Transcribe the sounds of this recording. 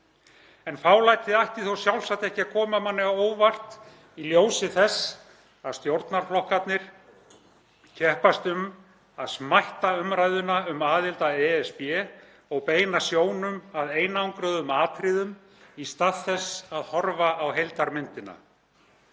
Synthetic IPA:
ɛnfaːwlajt̪ʰɪðajht̪ɪθowsjawlsaht̪ɛhcɪakʰɔːmamanːɛɣaoːwvar̥t̪ | iljoːwsɪθɛs | aðst̪jowɾt̪naɾ̥flɔhkat̪nɪɾ̥ | cʰɛhpast̪ʏm | aðsmajht̪aʏmɾajðʏnaʏmaːðɪlt̪aɛɛspjɛ | ɔɣpeːjnasjoːwnʏmaðeːjnaawŋkɾœðʏmaːt̪ʰɾɪːðʏm | ist̪aːðθɛsaðhɔɾvaːwɦejlt̪aɾmɪnt̪ɪna̰

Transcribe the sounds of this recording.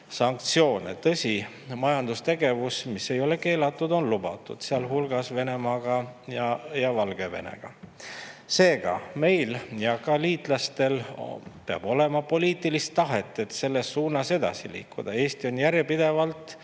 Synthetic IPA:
sɑŋk̚t̪sio̞ːnḛt̪ɤsʲi | mɑjɑnd̪̥ust̪e̞ɡe̞vusmisːe̞jo̞le̞ke̞ːlɑt̪ːˑud̪o̞nlubɑt̪ːˑṵd̪̥seɑlɦulɡ̥ɑsve̞ne̞mɑːɡ̥ɑjɑjɑvɑlɡ̥e̞ve̞̰nḛɡ̥ɑ | se̞ːɡ̥ɑ̰me̞jljɑkɑliːt̪ˑlɑst̪e̞lpeɑ̰b̥o̞le̞mɑpo̞liːt̪ilist̪ːɑɦet̪ːˑe̞t̪se̞lːe̞sːuːnɑse̞d̪̥ɑ̰sḭlḭːkːˑud̪̥ɑe̞ːst̪io̞njæɾjepid̪̥e̞vɑlt̪ˑ

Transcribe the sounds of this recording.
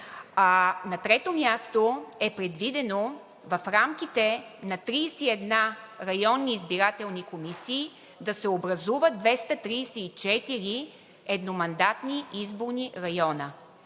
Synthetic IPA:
anɐt̪ɾɛt̪omʲjast̪oɛpɾɛd̪vid̪ɛno | vɐfɾamkit̪ɛnɐt̪ɾiːsɛiɛd̪naɾɐjɔnːiːzbiɾat̪ɛlˠnikomisiː | d̪ɐsɛobɾɐzuvəd̪̚d̪vɛst̪ɐt̪ɾiːsɛit͡ʃɛt̪iɾi | ɛd̪nomɐnd̪at̪niizboɾniɾɐjɔnə

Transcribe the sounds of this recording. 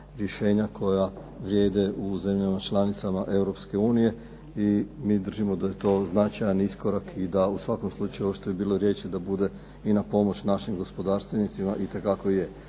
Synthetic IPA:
ɾje̞ʃe̞ːɲakʰo̞ja | ʋɾje̞ːd̪e̞uze̞mʎamat͡ʃlˠanit̪samaʔe̞wɾo̞pske̞uːnije̞ | imiːd̪r̩ʒimo̞d̪aje̞t̪o̞ːznat͡ʃajanisko̞ɾakid̪ausʋako̞mslˠut͡ʃajuoʃt̪oibiːlˠo̞ɾje̞t͡ʃid̪abud̪e̞ | inapo̞mo̞t͡ɕnaʃimɡo̞spo̞d̪aːɾst̪ʋenit̪simaʔit̪e̞kako̞ije̞

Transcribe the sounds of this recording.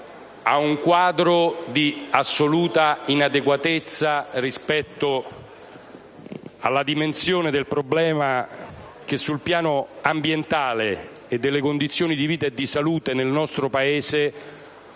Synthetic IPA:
a̰uŋkwaːd̪ɾod̪iasːoluːt̪ainad̪ekwat̪et̪sːarispɛt̪ːo | a̰lːad̪imensjoːned̪elpɾoblɛːma | k̟esːulpjaːnoambjent̪aːleː | d̪ːelːekond̪it̪sːjoːnid̪iviːt̪aed̪ːisaluːt̪enelnɔst̪ɾopaeːse

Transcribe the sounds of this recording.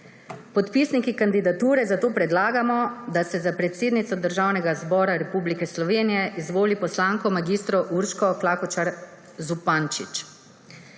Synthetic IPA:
pɔt̪pisnikikand̪id̪at̪uːɾɛzat̪oːpɾɛd̪laːɡamɔd̪asɛzapɾɛt̪seːd̪nit̪sɔd̪əɾʒawnɛɡazbɔːɾaɾɛpublikɛslɔʋeːnijɛʔizʋoːlipɔslaːŋkɔmaɡiːst̪ɾɔʔuɾʃkɔklaːkɔt͡ʃaɾ | zupant͡ʃit͡ʃ

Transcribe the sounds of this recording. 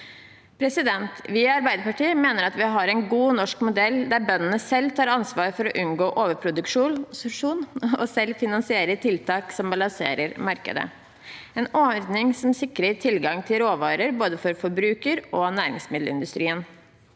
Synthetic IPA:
pʰɾɛsɪd̪ɛnt̪ʋɪːɑɾbæɪd̪əɾpɑʈiːmeːnəɾɑt̪ʋɪɦɑɾɛɪnɡuːnɔʂkmʊd̪ɛld̪æɾbœnːənəsɛlt̪ʰɑːɾɑnsʋɑːɾfɔɾɔʔʉnɡoːʔoːʋəɾpʰɾʊd̪ʉkʂuːʂuːnɔsɛlfɪnɑnsɪeːɾət̪ʰɪlt̪ʰɑːksɔmbɑlɑsḛːɾəɾmɑɾkə̰d̪ə̰ | eːnɔɾd̪nɪŋsɔmsɪkːɾət̪ʰɪlɡɑŋt̪ʰɪlɾoːʋɑːɾəɾboːd̪əfɔɾfɔɾbɾʉːkəɾɔnæːɾɪ̰ŋsmɪd̪lə̰ɪ̰nd̪ʉst̪ɾiːən

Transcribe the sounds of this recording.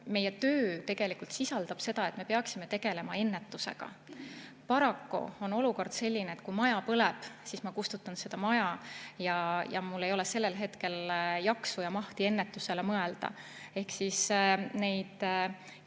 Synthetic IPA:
me̞jːet̪øːt̪e̞ɡ̥e̞likult̪sisɑld̪̥ɑb̥se̞d̪ɑe̞t̪ːme̞peɑksime̞t̪e̞ɡ̥e̞le̞mɑe̞nːet̪ːuse̞̰ɡ̥ɑ̰ | pɑɾɑkːṵo̞no̞luko̞rd̪̥se̞lʲːineet̪̚kujmɑjɑpɤleb̥sismɑkust̪ut̪ːˑɑnse̞d̪̥ɑmɑjɑjɑjɑ̰mulːe̞jo̞leselːe̞lɦe̞t̪ke̞ljɑksujɑmɑht̪ie̞nːe̞t̪ːuse̞lemɤ̞e̞ld̪̥ɑ̰ | e̞hksisne̞jd̪̥

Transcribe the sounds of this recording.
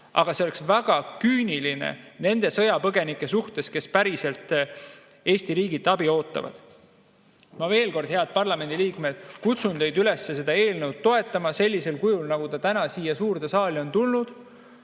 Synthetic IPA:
ʔɑ̰ɡ̥ɑseoeksvæɡ̥ɑkyːnʲilinḛne̞nd̪e̞sɤ̞jɑpɤɡe̞nikːˑe̞suht̪e̞ske̞spæɾise̞lt̪ː | e̞ːst̪iɾiːɡit̪ːˑɑbio̞ːt̪ːˑɑ̰vɑ̰d̪̥ | mɑve̞ːlko̞rd̪̥he̞ɑd̪̥̚pɑrlɑme̞nd̪iliːkme̞d̪̥kut̪sund̪e̞jd̪yle̞sːe̞se̞d̪̥ɑe̞ːlnəwt̪̚tːo̞e̞t̪ːˑɑmɑse̞lʲːise̞lkujulnɑɡ̥ut̪ɑt̪ænɑsiːjɑsuːrt̪esɑːlio̞nt̪ulnud̪̥

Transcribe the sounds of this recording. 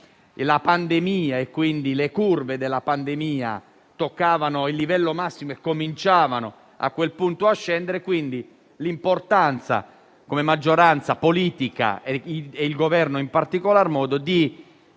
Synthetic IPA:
lapand̪emiːaekːwind̪ilekurved̪elːapand̪emiːa̰ | t̪okːaːvanoilːivɛlːomasːimoekːomint͡ʃaːvano | a̰kːwelpunt̪oaʃːɛnd̪eɾekwind̪i | limport̪ant̪sa̰ | komemad͡ʒːoɾant̪sapoliːt̪ika̰eeilɡovɛrnoimpart̪ikolarmɔːd̪od̪i

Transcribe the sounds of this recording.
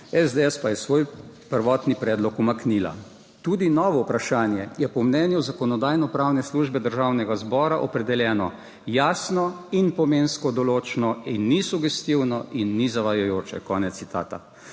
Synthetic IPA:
ɛzd̪eɛspajɛsʋoːj | pəɾʋɔt̪nipɾɛːd̪lɔkumaknila̰ | t̪uːd̪inɔːʋɔupɾaʃaːnjɛjɛpɔmnɛːnjuzakɔnɔd̪aːjnɔpɾawnɛsluːʒbɛd̪əɾʒaːwnɛɡazbɔːɾaʔɔpɾɛd̪ɛljɛːnɔ | jaːsnɔinpɔmenskɔd̪ɔloːt͡ʃnɔinːisuɡɛst̪iwnɔʔinːizaʋajɔjoːt͡ʃɛ̰kɔːnɛt̪ːit̪a̰ːt̪a̰

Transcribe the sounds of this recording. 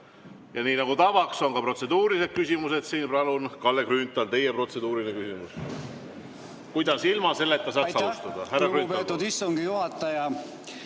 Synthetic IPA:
jɑniːnɑɡ̥ut̪ɑvɑkso̞nkɑpro̞t̪se̞d̪uːɾise̞d̪̥̚kysimuse̞d̪̥siːnpɑlunkɑlːekrynt̪ːˑɑlt̪e̞jepro̞t̪se̞d̪uːɾinekysimus | kujd̪̥ɑsilmɑse̞lːet̪ːɑs̬ɑsɑust̪ɑd̪̥ɑhærːɑkynpːt̪ːˑud̪isːuŋɡijuhɑt̪ːˑɑjɑ

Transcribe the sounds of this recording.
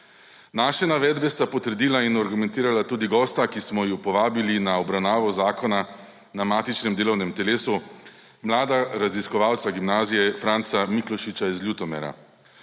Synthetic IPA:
naːʃɛnaʋɛːd̪bɛst̪apɔt̪əɾd̪iːlainaɾɡumɛ̃nt̪iːɾalat̪uːd̪iɡɔːst̪akismɔjiwpɔʋaːbilinaɔbɾawnaːʋɔzaːkɔna | namaːt̪it͡ʃnɛmd̪eːlɔwnɛmt̪ɛleːsu | mlaːd̪aɾaziskɔʋaːwt̪saɡimnaːzijɛfɾaːnt̪samiklɔʃit͡ʃaizlʲjut̪ɔmɛ̰ɾa̰

